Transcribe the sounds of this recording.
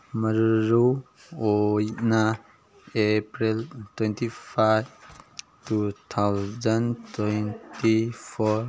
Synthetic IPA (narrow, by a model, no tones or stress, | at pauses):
məɾɾu | ojna | epɾiltwentʰipʰajb̚ | tut̪ʰawzantwentipʰɔɾ